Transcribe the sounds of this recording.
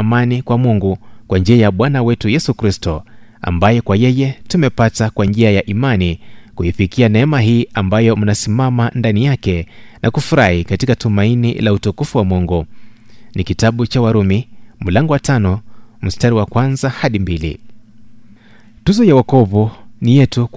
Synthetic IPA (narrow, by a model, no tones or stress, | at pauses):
manikwamuŋɡukwand͡ʒiajaɓwanawɛtujɛsukɾistɔ | a̰mbajɛkwajɛjɛtumɛpatakwand͡ʒiajaʔimanikuifikianɛɛmaɦiːʔambajɔm̩nasimamandanijakɛnʔakufuɾahikatikatumainḭlautukufuwamɔŋɡu | nikitaɓut͡ʃawaɾumim̩laŋɡɔwatanɔm̩staɾiwakwanzahaɗimbilḭ | tuzɔjawakɔvunijɛtu